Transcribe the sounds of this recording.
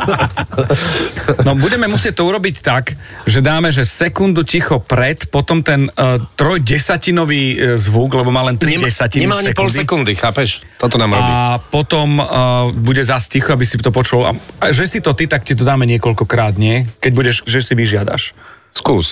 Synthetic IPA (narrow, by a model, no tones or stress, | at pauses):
nɔbuɟɛmɛmusɪɛc̚t̪ɔuɾɔbict̪ak | ʒɛd̪aːmɛʒɛsɛkund̪ucixɔpɾɛt̪pɔt̪ɔmt̪ɛnt̪ɾɔjɟɛsacinɔʋiːzʋuɡlɛbɔmaːlɛnt̪ɾiɛɛsacinɲɛmaasɲiɛkpɔulsd̪ɛkund̪ixaːpɛʃ | t̪ɔt̪ɔnaːmɾɔ̰bipɔt̪ɔmbuɟɛzascixɔabisit̪ɔpɔt͡ʃula̰aʒɛsit̪ɔt̪it̪akcɛt̪̬ɔd̪aːmɛɲɪɛkɔʎkɔkɾaːd̪ɲɪɛkɛɟ̚buɟɛʃʒɛsiʋiʒɪad̪a̰ʃ | skuːs